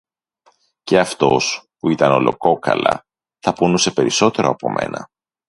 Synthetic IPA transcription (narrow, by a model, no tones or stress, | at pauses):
ce̞ɐft̪o̞spuit̪ɐno̞lo̞ko̞kɐ̰lɐ̰ | θɐponuse̞pe̞ɾiso̞t̪e̞ɾo̞ɐpo̞̰mʔe̞̰nɐ